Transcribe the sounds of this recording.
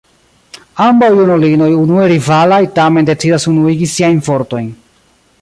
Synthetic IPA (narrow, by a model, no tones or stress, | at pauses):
ambawjunolino̞junue̞ɾivalajtame̞nde̞t͡sidasunuiɡisiajnfo̞ɾto̞jn